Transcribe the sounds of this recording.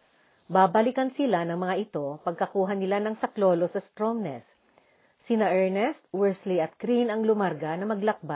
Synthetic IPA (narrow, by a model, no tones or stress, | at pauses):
baːbɐlɪkɐnsɪlanɐŋmɐŋaʔɪt̪o̞pɐɡ̚kɐkuːɦɐnɪlanɐŋsɐklo̞ːlosɐst̪ɾomnɛ̰sː | ɪnaʔɛɹnɛst̪̚wɛɹsliɐt̪̚kɾinɐŋlʊmaɾɡanɐmɐɡlɐk̚ba